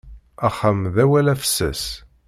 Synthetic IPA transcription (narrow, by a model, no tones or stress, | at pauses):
æχamðæwælæfə̥sːə̰s